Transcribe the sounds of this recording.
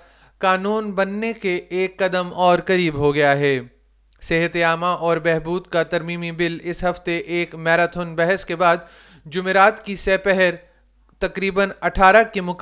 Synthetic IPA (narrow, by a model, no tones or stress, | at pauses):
kaːnuːnbɐnːekeeːkːɐd̪əmɔːɾkɐɾiːbɦoɡɐjaɦɛː | sɛɦət̪eaːmaʔɔːɾbɛɦbuːd̪kat̪ɐɾmiːmibɪlɪsɦɐft̪eʔeːkmɛːɾaːt̪ʰonbɛɦɛskebaːd̪ | d͡ʒʊmeɾaːt̪kisɛːpɛɦɛɾ | t̪ɐkɾiːbənɐʈʰaːɾakemʊk